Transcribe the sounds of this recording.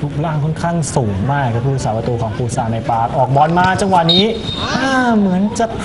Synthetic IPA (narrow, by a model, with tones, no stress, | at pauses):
t̪ʰu˦˥k̚laː˥˩ŋkʰɔ˥˩nkʰaː˥˩ŋsuː˩˦ŋmaː˥˩˧kʰɯː˧˩saː˩˦pa˧t̪uː˧kʰɔː˩˦ŋpʰuː˧˩saː˧na˧jpaː˧˦˩k̚ʔɔː˨˩k̚bɔː˨˩nmaː˧t͡ɕa˧ŋwa˨˩niː˦˥ | aː˧˥˩mɯ˨˩˦ənt͡ɕa˨˩p̚